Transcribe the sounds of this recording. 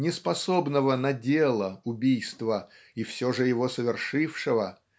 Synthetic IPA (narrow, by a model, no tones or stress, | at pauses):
nʲɪspɐso̞bnəvənɐdʲelˠəʊbʲijst̪və | ifsʲoʐɨjɪvosəvʲɪrʂɨfʂɨvə